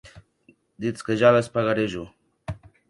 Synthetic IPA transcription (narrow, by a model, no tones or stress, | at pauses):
d̪it͡skeʒalaspaɣaɾeʒʊ